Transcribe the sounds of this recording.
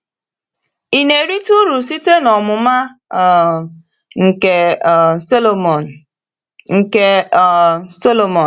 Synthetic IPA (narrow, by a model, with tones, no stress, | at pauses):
i˨ne˨ɾi˦tu˦ɾu˨si˦te˦nɔ˨mʊ˨ma˦˨ | ŋ̩˨ke˨slo˨m˨ | ŋ̩˨ke˦˨ | so˦lo˨mɔ˨